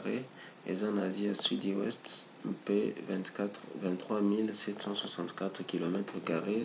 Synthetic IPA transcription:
ʁe | ɛ̰zɑ̃naziasɥid̪iwɛ̰st̪ | pevɛ̃vɛ̃nt̪ːχwamilsɛt̪sɑ̃swasɑ̃t̪kat̪χkʲilɔmɛt̪χəkaʁe

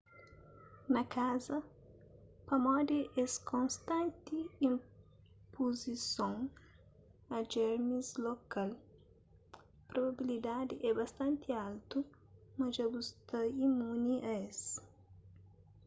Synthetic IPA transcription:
nɐkʰazɐ | pɐmɔd̪eʔeskõnst̪ɐ̃nt̪iĩm | puzisõŋ | ɐd͡ʒɛɾmizlokal | pɾobabilid̪ad̪ɪʔɛbɐst̪ɐ̃nt̪ialt̪u | mɐʒɐbust̪ɐimuniʔɐes

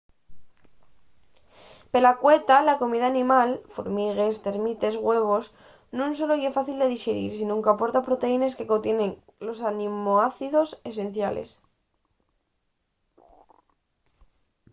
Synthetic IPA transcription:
pe̞lakwe̞t̪alako̞miðaːnĩmalfo̰ɾmiɣest̪e̞ɾmit̪e̞zɣwe̞β̞o̞s | nũns̬o̞lo̞iesfaθild̪e̞ðiʃeɾḭɾsinũŋkapo̞ɾt̪apɾo̞t̪e̞ine̞ske̞kont̪je̞nẽ̞ŋlo̞sanĩmoaθiðo̞se̞s̬e̞nθjalḛs

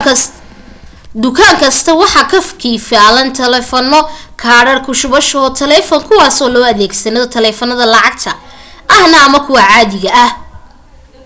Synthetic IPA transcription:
d̪ʊkʰaːŋkʰɐst̪ʰɐwɑħɑkʰɐfkʰiːfaːlɐnt̪ʰɐlɛːfɔnːɔkʰaːɽɐrkʰʊʃʊβɐʃɔːt̪ʰɐlɛːfɔŋkʰʊwɑːsɔːlɔːɐðɛːɡsɐnɐðɔt̪ʰɐlɛːfɔnɐðɐlɑʕɑɡ̚t̪ʰɐʔɐhnɐːmɐkʰʊwɑʕɑːðɪɣɐːh

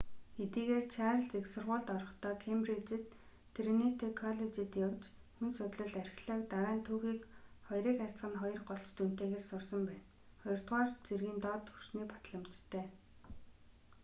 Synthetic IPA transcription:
ɡet̪iːɣeːrt͡ɕʰaːɾə̆ɮt͡seksʊrʁʊːɮt̪ɔɾɞ̆χt̪ʰɔːkʰemprit͡ɕĕt̪ʰː | renit̪ʰekʰɔɮet͡ɕĭt̪jawt͡ɕ | xunsʊt̪ɮə̆ɮæɾʲxɮɔːk̚t̪aɾaːnt̪ʰuːɣiːkχɔjriːkar̥ʲt͡sɢə̆nχɔjɞ̆rɢɔɬt͡ɕt̪un̥t̪eːɣeːrsʊrsə̆mpæːn | χɔjɞ̆r̥t̪ʁaːrt͡serɣiːnt̪ɔt̪u̥t͡ɕniːkpḁt̪ɮə̆m̥t͡ɕt̪ʰːœː

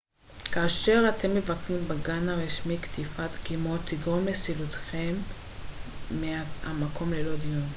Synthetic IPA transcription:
kaːʃe̞ʁat̪e̞mːe̞vaknimbaɡanaʁiʃmikt̪ʰifat̪kimo̞t̪iɡʁomlesilut̪χe̞m | eaamako̞mlelo̞d̪ijon

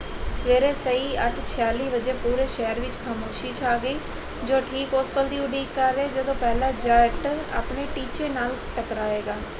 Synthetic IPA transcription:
sʋeːɾeːsəiːəʈʰt͡ʃʰɪjaːliːbəd͡ʒeːpuːɾeːʃɛːəɾʋɪt͡ʃkʰaːmoːʃiːt͡ʃʰaːɡəiː | d͡ʒoːʈʰiːkʊspəld̪iːʊɖiːkːəɾːeːd͡ʒəd̪õːpɛːlaːd͡ʒəɾʈa̰ːpneːʈiːt͡ʃeːnaːlʈəkɾaːeːɡaː

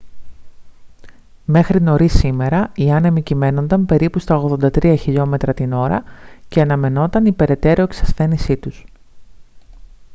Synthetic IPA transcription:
me̞xɾino̞ɾisime̞ɾɐiɐnemicime̞no̞nd̪ɐmpe̞ɾipust̪ɐoɣðo̞nd̪ɐt̪ɾiɐçiʎo̞me̞t̪ɾɐt̪ino̞ɾɐ̰ceɐnɐme̞no̞t̪ɐnipe̞ɾe̞t̪e̞ɾoeksɐsθe̞nisit̪us

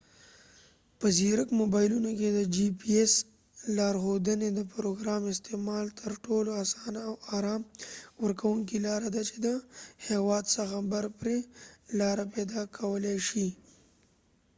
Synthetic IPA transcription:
pəziɾəkmobɑjlunoked̪əd͡ʒipies | lɑɾxod̪əned̪əpɾoɡɾɑmɪst̪emɑlt̪ʰəɾʈoloasɑnawaɾɑmwəɾkʰawuŋkilɑɾad̪at͡ʃe̥d̪əhewɑd̪səxabaɾpɾelɑɾaped̪ɑkʰawəleʃi

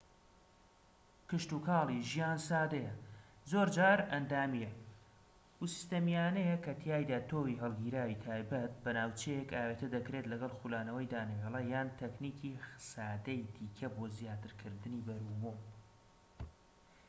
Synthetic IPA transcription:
kɨʃt̪ukʰɑːlˠiʒijaːnsaːd̪ejɐ | zoːɾd͡ʒaːɾɐnd̪aːmijɐ | usi̥st̪ɐmijaːnejɛkɐt̪ʰijaːjd̪aːt̪ʰoːwiɦɐlˠɡiːɾaːwit̪ʰaːjbɐt̪̚bɐnaːwt͡ʃejekaːweːt̪ɐd̪ɐkɾet̪lɐɡɐlˠxulaːnɐwɐjd̪aːnewelˠɐjaːnt̪ʰɐknikʰixɨ̥saːd̪ɐjd̪iːkʰɐboːzjaːt̪ɨɾkʰɨɾd̪ɨniːbɐɾuːbuːm

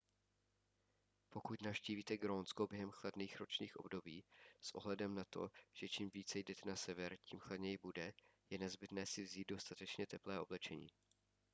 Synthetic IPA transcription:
po̞kut̪nafʃciːviːt̪ɛɡɾoːnskobjɛɦɛmxladniːxɾo̞t͡ʃɲiːxʔo̞̰bdo̞biːsʔo̞̰ɦlɛdɛmnat̪o̞̰ʒ̥ɛt͡ʃimviːt͡sɛjdɛt̪ɛnasɛvɛɾciːmxladɲɛjɪbudɛjɛnɛzbɪt̪nɛːsɪvziːt̪̚do̞st̪at̪ɛt͡ʃɲɛt̪ɛplɛːʔo̞blɛt͡ʃɛɲḭː

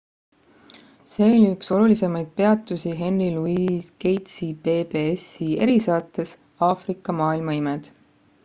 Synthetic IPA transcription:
se̞ːo̞lʲiykso̞lulise̞mɑjd̪̥̚pe̞ɑt̪ːˑusiɦe̞nriluiːke̞jt̪sipeːbe̞esie̞̰ɾisɑːt̪ːˑes | ɑːfrikːˑɑmɑːilmɑimed̪̥

